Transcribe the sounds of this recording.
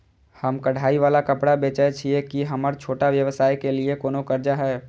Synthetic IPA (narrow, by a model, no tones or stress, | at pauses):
həmkəɽ̤ʱaːiʋaːlakəpɽabeːt͡ʃət͡ʃʰiekiɦəməɾt͡ʃʰoːʈaʋjəʋəsaːikeliekoːnokəɾd͡ʒaɦɛː